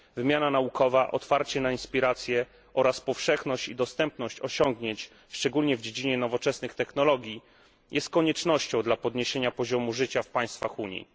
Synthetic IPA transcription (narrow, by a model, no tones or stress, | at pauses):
vɘmʲjananaukʰɔvaʔɔt̪faɾt͡ɕɛnainspʲiɾat̪sʲjɛ | ɔɾaspɔfʂɛxnɔɕt͡ɕid̪ɔst̪ɛmpnɔɕt͡ɕɔɕɔŋɡɲeɲt͡ɕ | ʂt͡ʂɛɡulɲɛvd͡ʑed͡ʑiɲɛnɔvɔt͡ʂɛsnɘxt̪ɛxnɔlɔɡʲji | jɛst̪̚kɔɲɛt͡ʂnɔɕt͡ɕɔ̃w̃d̪lapɔd̪ɲeɕeɲapɔʑɔmuʐɘt͡ɕafpaj̃st̪fa̰xuɲḭ